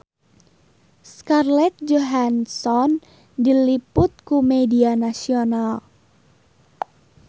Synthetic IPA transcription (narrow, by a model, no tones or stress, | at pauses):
skarlɛt̪̚d͡ʒoɦansɔn | dilipʊt̪̚kumedianasional